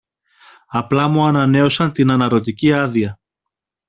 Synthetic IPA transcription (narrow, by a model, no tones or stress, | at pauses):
ɐplɐmuɐnɐne̞o̞sɐnt̪inɐnɐɾo̞t̪iciɐðiɐ